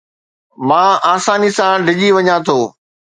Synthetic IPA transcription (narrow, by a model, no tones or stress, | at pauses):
mãːaːsaːnisãɖʱɪʄiʋɐɲãt̪ʰoː